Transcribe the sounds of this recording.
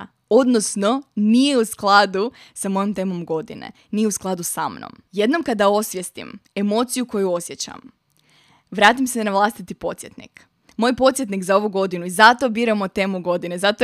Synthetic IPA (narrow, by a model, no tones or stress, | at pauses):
od̪no̞sno̞nije̞usklˠad̪usamo̞jomt̪e̞ːmo̞mɡo̞d̪ḭnḛ | nije̞usklˠad̪usa̰mno̰m | je̞d̪no̞mkad̪ao̞sʋjest̪ḭme̞mo̞ːt̪sijuko̞juo̞sje̞t͡ɕa̰m | ʋɾaːt̪imsenaʋlˠast̪it̪ipo̞t̪sje̞t̪nḭk | mo̞jpo̞t̪sje̞t̪nikzao̞ʋuɡo̞d̪inuizat̪o̞biːɾamot̪e̞muɡo̞d̪inezat̪o